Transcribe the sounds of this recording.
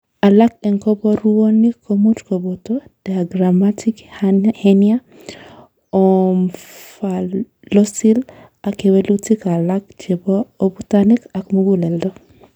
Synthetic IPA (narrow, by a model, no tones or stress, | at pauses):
alakɛŋkɔbɔɾuonikʰomutkobotod̥aaɡɾamatʰikhenia | ɔmfa | lɔsil | akewɛlutikalak̚d͡ʒebɔobutanikakmuɡulɛldɔ